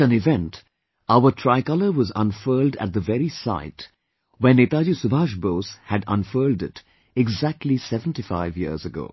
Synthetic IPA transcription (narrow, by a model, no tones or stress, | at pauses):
ə̃nɪvɛ̃nt | aʊəʈʰɹaɪkʌləɾwɔzʌ̰̃nfɜːldæ̰t̚d̪əvɛɾisa̰ɪt | wɛ̃nːeːt̪aːd͡ʒusʊbʱaːʃboːshædʌ̰̃nfɜːldɪt | ɪɡzæk̚ʈʰlisɛvə̃n̩tifaɪvjḭəɹzəɡo̰ː